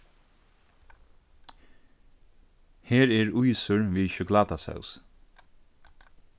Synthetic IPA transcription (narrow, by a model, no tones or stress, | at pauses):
heːɹɛːɹujsʊɹʋiːʃʏklaːt̪asɛ̰ws